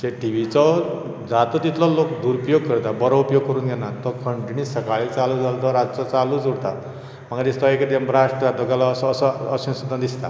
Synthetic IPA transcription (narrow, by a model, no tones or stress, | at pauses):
teʈibit͡sɔ | d͡zat̪ɔt̪it̪lɔlokd̪uɾupjoɡ̚kəɾt̪abʌɾɔupjoɡ̚kɔɾuːnɡenat̪ɔkʰəɳʈinisəkaɭit͡salud͡zalt̪ɔɾad͡zt͡sɔt͡salud͡zuɽt̪a̰ | m̤aɡad̪ist̪ɔeked̪embɾaʂʈɾad̪ɔɡalasːsʌ̰ːsũnsut̪ãd̪ist̪a̰